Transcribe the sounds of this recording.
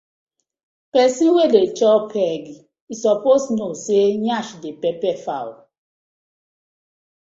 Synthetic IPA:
pɛsĩwelet͡ʃɔpʰɛɡi | isɔposnoseɲaʃdepɛpɛfa̰w

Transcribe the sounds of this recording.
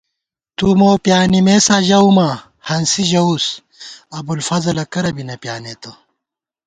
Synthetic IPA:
t̪umoːpjaːnimesaːʑɐuma | hɐnsiʑɐus | ɐbulfɐzɐlɐkɐɾɐbinɐpjaːnet̪o

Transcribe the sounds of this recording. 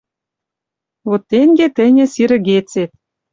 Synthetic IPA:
βot̪ːeŋɡet̪ɘ̆nʲɘ̆siɾɘ̆ɣet͡set̪̚

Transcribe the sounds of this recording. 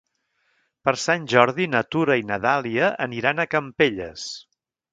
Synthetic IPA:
pəɾsanʲʒɔɾðinət̪uɾəinəðalˠiəʔəniɾanəkəmpeʎəs

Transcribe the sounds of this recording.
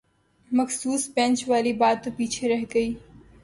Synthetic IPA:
məxsuːspɛ̃ːnt͡ʃʋaːlibaːt̪ːopiːt͡ʃʰeɾəɦɡəiː

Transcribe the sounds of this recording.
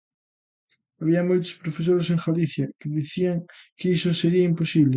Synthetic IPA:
aβiɐmojt̪o̥spɾofes̬oɾeseŋxaliθjɐkeðiθiaŋkeisoseɾiɐimposiβle

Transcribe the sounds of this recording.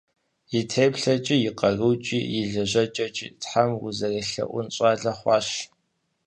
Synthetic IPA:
jitʰeːpɬɐt͡ʃʼijɪqɐruːt͡ʃʼiːjɪɮɐʑɐt͡ʃʼɐt͡ʃʼḭːtħamwʊ̰zɐreɬɐ̰ʔʷʊ̰nɕʼɑːɮɐχʷɑːɕ

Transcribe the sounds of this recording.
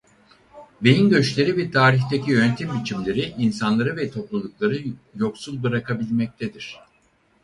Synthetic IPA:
be̞jinɟø̞t͡ʃlʲe̞ɾibiɾt̪ʰaːɾiçt̪ʰecʰijønt̪ʰimbit͡ʃʰimlʲe̞ɾiʔinsanlˠaɾɯvɛt̪ʰo̞plˠulˠuklˠaɾɯjo̞ksulˠbɯɾakʰabilʲmɛc̚t̪ʰed̪iɾ̥

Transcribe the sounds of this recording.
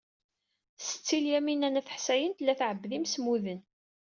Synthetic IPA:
sə̥t͡sːiljæminænæfə̥ħsæjənt̪lːæθʕəbːðimsmuðən

